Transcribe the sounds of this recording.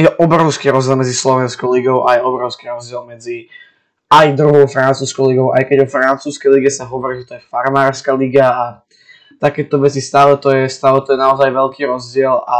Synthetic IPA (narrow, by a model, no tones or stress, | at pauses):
jɛʔɔbɾɔʊskiːɾɔzd͡ʑɪɛlˠmɛd͡zislɔʋɛnskɔʊliɡɔʊʔajɛɔbɾɔʊskiːɾɔzɟɪɛlˠmɛd͡zi | ajd̪ɾuɦɔʊfɾant͡suːskɔʊliɡɔʊʔa̰jkɛɟɔfɾant͡suːskɛjliɡɛsaɦɔʋɔɾiʒɛt̪ɔjɛfaɾmaːɾskaliɡaː | t̪akɛːt̪ɔʋɛt͡sist̪aːlɛt̪ɔjɛst̪aːlɛt̪ɔjɛnaɔzajʋɛʎkiːɾɔzɟɪɛla